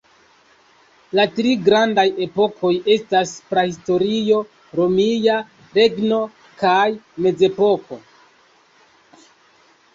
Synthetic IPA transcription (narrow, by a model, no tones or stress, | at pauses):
latɾiɡɾandaje̞po̞kʰo̞je̞staspɾahisto̞ɾijo̞ | ɾo̞mija | ɾe̞ɡno̞ | kajme̞d͡ze̞po̞kʰo̞